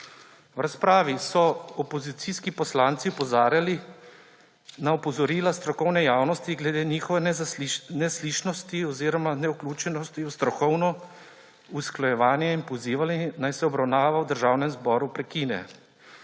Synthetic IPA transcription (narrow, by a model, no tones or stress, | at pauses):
wɾaspɾaːʋisɔɔpɔzit̪siːskipɔslaːnt̪siɔpɔzaːɾjali | naɔpɔzɔɾiːlast̪ɾɔkɔwnɛjaːwnɔst̪iɡlɛd̪eːniːxɔʋɛ | nɛsliːʃnɔst̪iɔziːɾɔmanɛuklʲuːt͡ʃɛnɔst̪iust̪ɾɔkɔwnɔ | usklɔjɛʋaːnjɛinpɔziːʋalinajsɛɔbɾawnaːʋawd̪əɾʒaːwnɛmzbɔːɾupɾɛkinɛ̰